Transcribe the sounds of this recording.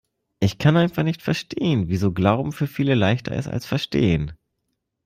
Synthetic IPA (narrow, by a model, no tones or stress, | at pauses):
ʔɪçkʰanʔaɪnfaχnɪçtfɛɐʃtʰeːənviːzoːɡlaʊbm̩fyːɐfiːləlaɪçtɐ̰ʔɪ̰sta̰lsfɛɐʃtḛːən